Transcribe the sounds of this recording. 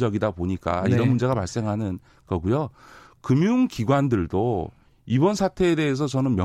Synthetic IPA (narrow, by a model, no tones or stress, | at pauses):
d͡ʑʌɡidapoɲik͈a̰iɾʌnmund͡ʑe̞ɣapaɭs͈e̞ŋɦanɯn | ɡʌɡujokɯmjuŋkiɡwandɯɭdo | ibʌnsʰatʰe̞ːde̞es̬ʰʌt͡ɕʌnɯnmjʌ